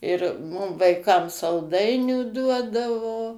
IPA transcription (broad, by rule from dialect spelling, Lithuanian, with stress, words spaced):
ɪr ˈmʊm ʋɐɪˈkɐm sɐlˠˈdɐɪnʲuː ˈduɔdɐʋoː